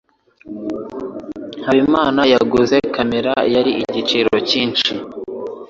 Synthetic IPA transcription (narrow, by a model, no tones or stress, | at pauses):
haβimaːnajaɡuze̞kameɾajaɾiʔiɟit͡ʃiɾo̞ciːnt͡ʃi